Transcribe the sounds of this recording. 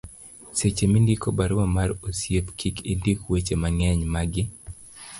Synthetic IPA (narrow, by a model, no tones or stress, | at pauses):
set͡ʃemindikobaɾowamaɾosjepkʰikindikwet͡ʃemaŋɛɲmaɡɪ